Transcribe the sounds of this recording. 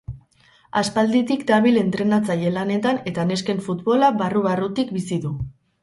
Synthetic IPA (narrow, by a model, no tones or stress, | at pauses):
aspald̪it̪ikd̪aβile̞nt̪ɾe̞nat͡saje̞lane̞t̪ane̞t̪ane̞ske̞ɱfut̪βo̞laβaruβarut̪ik̚bisiðu